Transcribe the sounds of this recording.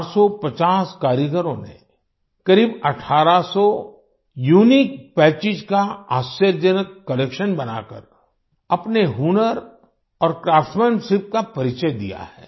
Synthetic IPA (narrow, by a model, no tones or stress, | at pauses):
aɾsɔpɐt͡ʃaːskaːɾjəɡəɾõnḛ | kɐɾiːbɐʈʰaːɾasɔ | juːnik̚pɛːt͡ʃɪd͡ʒkaaːʃəɾd͡ʒənəkːɐlekʃənbɐna̰ːkə̰ɾ | ɐpneɦunəɾ | ɔːɾkɾaːfʈmənsɪp̚kapɐɾɪt͡ʃəjd̪ḭja̰ɦɛː